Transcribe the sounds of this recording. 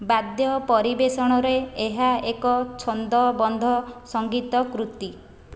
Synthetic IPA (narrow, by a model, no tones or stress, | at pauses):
bad̪jɔpɔɾibesɔɽ̃ɔɾeeɦaekɔt͡ʃʰɔnd̪ɔbɔnd̪ʱɔsɔŋɡit̪ɔkɾut̪i